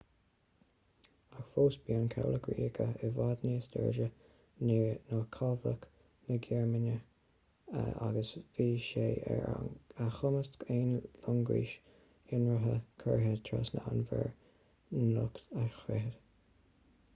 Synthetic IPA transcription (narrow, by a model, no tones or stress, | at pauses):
axfoːsbiənkʰa̰wləkɹiːɡʰəɪvaːd̪niːsd̪ɛ̰ɹd͡ʒə | ninɔkʰɑvlək | nəɡɛɹmɪnə | a̰ɡəsviːʃeːɛ̰ɹaxʊməsteːnlʊŋɡḭːʃ | ɪnɹəɦəkʰəɹɦɛdt̪ʰɹɔ̰snəanvə̰ɹ | nʊkt̪axɾɛɦəd̥̪